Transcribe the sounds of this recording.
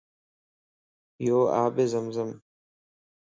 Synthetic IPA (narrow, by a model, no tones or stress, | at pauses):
joːaːbezəmzəm